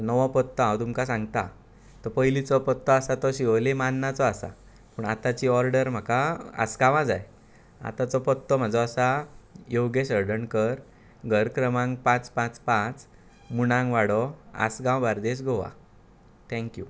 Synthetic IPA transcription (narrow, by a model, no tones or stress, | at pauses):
t̪nəʋɔ̃pət̪ːɔɦãwt̪umkasãŋɡt̪a | t̪ɔpəjlit͡sɔpət̪ːɔasat̪ɔɕiʋəlemanːat͡sɔasa̰ | pəɳa̰t̪at͡ɕiɔɾɖəɾm̤akaa̰sɡãʋãd͡za̰j | a̰t̪at͡sɔpɔt̪ːɔm̤ad͡zɔasajowɡeɕəɾɖəɳkəɾ | ɡʱəɾkɾəmãŋɡpãt͡spãt͡spãt͡s | muɽãŋɡʋaɽɔa̰sɡãw̃baɾd̪eɕ̬ɡʱɔʋa̰ | t̪ʰɛ̃ŋkju